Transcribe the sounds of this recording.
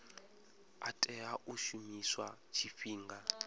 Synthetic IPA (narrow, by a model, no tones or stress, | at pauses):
atʼɛaʔuʃumiswa | t͡ʃʰifiːŋɡa